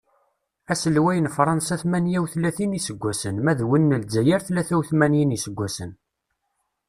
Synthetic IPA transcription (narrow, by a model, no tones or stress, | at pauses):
æsəlwæjənfɾˤɑnsæθmænjæwθlæθinisəɡʷːæsənmæðwənːəld͡zːæjæɾθlæθæwθmænjinisəɡʷːæsən